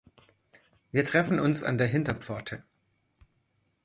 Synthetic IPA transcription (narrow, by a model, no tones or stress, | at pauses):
viːɐtʁ̥ɛfn̩ʊnsa̰ndeːɐɦɪntɐpp͡fɔɐtʰə